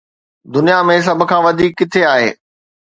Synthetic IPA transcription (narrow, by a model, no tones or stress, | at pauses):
d̪ʊnijamẽs̬ɐbʱʊ̆kʰãːʋɐd̪ʱiːkːɪt̪ʰeaːɦḛː